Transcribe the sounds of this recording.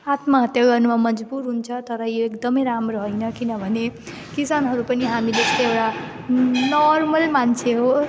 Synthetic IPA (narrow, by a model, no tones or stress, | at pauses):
at̪maɦʌt̪jaɡʌrnumamʌd͡zbuɾɦunt͡sʰʌt̪ʌɾʌjoekd̪ʌmʌjɾamɾoɦʌjnʌkinʌbʱʌne | kisanɦʌɾupʌniɦamid͡zest̪eewɽa | nɔrmʌlmant͡sʰeɦo